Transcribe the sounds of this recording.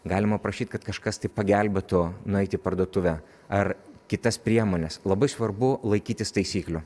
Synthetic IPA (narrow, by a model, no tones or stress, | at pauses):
ɡɑːlʲɪmɐpɾɐʃʲiːt̪ʲkɐt̪kɐʃkɐst̪ɐɪpɐɡʲælʲbʲet̪ʊnʊɛɪt̪ʲɪpɐrd̪uɔt̪ʊʋʲæ | ɐrkʲɪt̪ɐspʲɾʲiɛmoːnʲɛslˠɐbɐɪsʋɐrbʊlˠɐɪkʲiːt̪ʲɪst̪ɐɪsʲiːklʲʊ